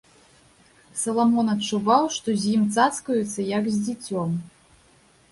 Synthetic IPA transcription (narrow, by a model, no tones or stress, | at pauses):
sɐlˠamɔnɐt͡ʂːuvawʂt̪ɔzʲjimt̪sat̪skɐjut̪sːɐjɐɡzʲd͡zʲit͡sʲɔm